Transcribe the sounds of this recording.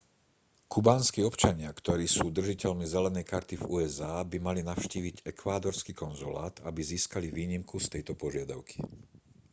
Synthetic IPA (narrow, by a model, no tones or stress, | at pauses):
kʰubaːnskiɔpt͡ʃaɲɪakt̪ɔɾiːsuːd̪r̩ʒicɛʎmizɛlɛnɛjkaɾt̪ivuːɛzaːbimalinaʊʃciːʋiɟɛkʋaːd̪ɔɾskiːkɔnzula̰ːt̪abiziːskaliʋiːɲimkust̪ɛjt̪ɔpɔʒɪad̪a̰ʊkʰi̥